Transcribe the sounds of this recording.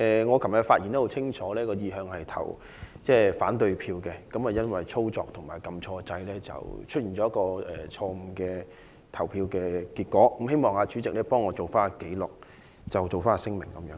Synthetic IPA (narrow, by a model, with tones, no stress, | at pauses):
ɛː˨ŋɔː˨˧kʰɐ˨˩mjɐ˨˧˩faː˧t̚ji˨˩nt̪o˥hwt͡sʰɪ˥ŋt͡ʃʰɔː˨˥lɛː˥kɔː˧jiː˨˧ɦœː˧ŋhɐ˨jt̪ʰɐ̰˨˩w | t͡sɛː˥˩faː˨˥nt̪ɵ˧ɥpʰiː˧wkɛ˧kɐ˨˥mɐ˨˩jɐ˥nwɐ˨˩jt͡sʰo˥wt͡sɔː˨k̚t̪ʰʊ˨˩ŋmaː˨˩jkɐ˧mt͡ʃʰɔː˧t͡sɐ˧jlɛː˥t͡sɐ̰˨wt͡ʃʰɵ˥t̚i˨nt͡ʃɔː˨˥jɐ˥kɔː˧ɛ̰ː˨˩t͡ʃʰɔː˧m̩˨˧˩kɛː˧ | t̪ʰɐ˨˩wpʰiː˧wkɛː˧kiː˧t̚kɔː˨˥kmhe˥jmɔː˨˩ŋaː˨˧t͡ʃy˨˥t͡sɪ˨k̚lɛː˥pɔː˥ŋːɔː˨˧t͡so˨wfaː˥n˨ke˨˥jlɔ˨k̚ | t͡sɐ˨wt͡so˨˩wfaː˥˨˧sɪ˥ŋmɪ̰˨˩ŋkɐ˨mjœ̰ː˧˥